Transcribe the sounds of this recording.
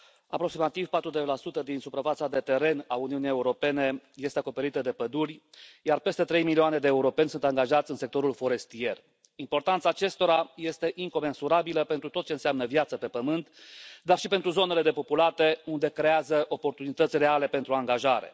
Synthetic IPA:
apɾo̞ksimat̪ivpat̪ɾud̪elasut̪əd̪insupɾafat̪sad̪e̞t̪e̞ɾe̞nauniunije̞uɾo̞pe̞ne̞je̞st̪eako̞pe̞ɾit̪əd̪e̞pəd̪urʲ | jarpe̞st̪e̞t̪ɾe̞jmilioane̞d̪e̞ːuɾo̞pe̞nʲsunt̪aŋɡaʒat̪sʲɨnse̞k̚t̪o̞ɾulfo̞ɾe̞st̪ie̞r | impo̞rt̪ant̪saːt͡ʃe̞st̪o̞ɾaje̞st̪e̞ʔiŋko̞me̞nsuɾabiləpent̪ɾut̪o̞t̪̚t͡ʃe̞ɨnseamnəvjat̪səpe̞pəmɨnt̪d̪arʃipent̪ɾuzo̞nele̞d̪e̞po̞pulat̪e̞und̪e̞kɾe̞azəʔo̞po̞rt̪unit̪ət̪sʲre̞ale̞pe̞nt̪ɾuaŋɡaʒaɾe̞̰

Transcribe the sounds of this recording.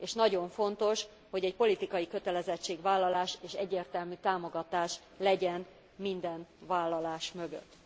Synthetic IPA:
eːʃnɒɟo̞ɱfo̞nt̪o̞ʃ | ho̞ɟɛc̚po̞lit̪ikɒjikøt̪ɛlɛzɛt͡ʃːeːɡʋaːlːɒlaːʃeːʃɛɟːeːrt̪ɛlmyt̪aːmo̞ɡɒt̪aːʃ | lɛɟɛn | mind̪ɛnvaːlːɒlaːʃmø̞ɡø̰t̪ː

